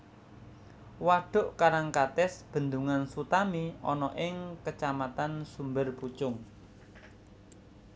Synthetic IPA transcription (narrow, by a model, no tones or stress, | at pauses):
waɖ̥ʊ̤ʔkaɾaŋkat̪ɛsb̥ə̤nd̪uŋansut̪amiɔnɔʔɪŋkət͡ʃamat̪ansumbərput͡ʃʊŋ